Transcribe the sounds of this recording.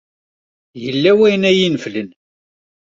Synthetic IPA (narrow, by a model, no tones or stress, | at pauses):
jəlːæwæjnæjinflən